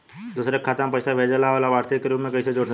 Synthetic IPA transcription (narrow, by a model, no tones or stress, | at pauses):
d̪uːsɾekʰːaːt̪ãmpɐɪsaʋʱed͡ʒalaːʋolaʋaːɾt̪ʰikːeɾuːpmẽkɐised͡ʒoːɽ